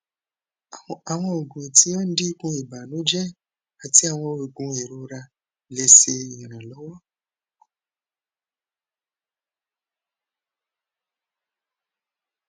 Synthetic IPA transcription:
a˨w̃ɔ̃˧o˨ɡũ˨e˨ti˦ɔ˦n̩˦di˦kũ˧˦i˨ba˨nõ˨˦d͡ʒɛ˦ | a˨ti˨˦a˦˨w̃ɔ̃˧we˨ɡũ˧e˨ɾu˧ɾa˧ | le˧se˧i˨ɾ̃ã˨lɔ˨˦wɔ˦

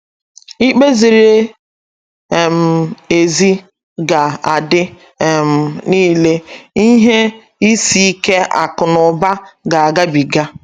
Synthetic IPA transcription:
i˦k͡pe˦zi˨ɾe˦˨ | m̩˨e˨zi˦ | ɡa˨a˨dɪ˦˨ | m̩˨niː˦le˦i˦ɦe˦ | i˦si˦i˦ke˦a̰˨kʊ˨nʊ˨ba˦ɡa˨a˨ɡa˦bi˨ɡa˦

